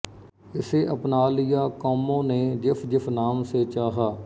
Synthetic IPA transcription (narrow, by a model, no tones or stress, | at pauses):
ɪseːʔəpnaːlɪjaːkoːmõːneːd͡ʒɪfʰd͡ʒɪfʰnaːmseːt͡ʃaːɦaː